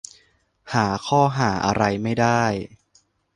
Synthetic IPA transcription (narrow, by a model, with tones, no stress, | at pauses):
haː˩˦kʰɔː˥˩ɦaː˩˦ʔa˧ɾa˧jma˥˩jdaː˥˩j